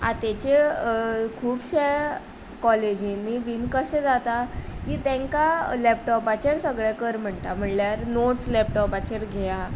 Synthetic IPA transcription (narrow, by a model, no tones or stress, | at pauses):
a̰t̪et͡ɕe | kʰuːbɕe | kɔled͡ʑinːibiːnkəɕẽd͡zat̪akiːt̪ɛ̃ŋkalɛp̚ʈɔpat͡ɕeɾsəɡɭekəɾm̤əɳt̪am̤əɳljaɾnoʈslɛp̚ʈɔpat͡ɕəɾɡʱeja